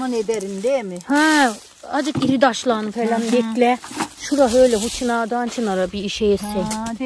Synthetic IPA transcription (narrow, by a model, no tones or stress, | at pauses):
aned̪ɛɾind̪emihɛ | ad͡ʒɯkiɾid̪aʃlˠaːnɯfelʲand̪ɛklʲɛʃuɾaɦøjlʲɛɦut͡ʃʰinad̪aːnt͡ʃʰinaɾabiːʃɛjɛsɛ